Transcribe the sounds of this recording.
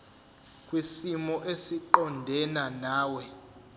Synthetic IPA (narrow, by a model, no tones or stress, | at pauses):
kʼwisimɔʔesiǃɔndʱɛnanaːwɛ